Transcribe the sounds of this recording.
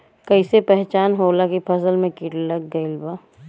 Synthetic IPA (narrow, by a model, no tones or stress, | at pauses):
kɐɪsepɛɦt͡ʃaːnɦoːlakipʰɐsəlmẽkɪʈllɐɡːəilbaː